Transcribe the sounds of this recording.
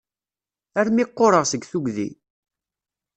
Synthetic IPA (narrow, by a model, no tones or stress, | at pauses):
æɾmɪqːoɾˤəʁsəɡθuɡðḭ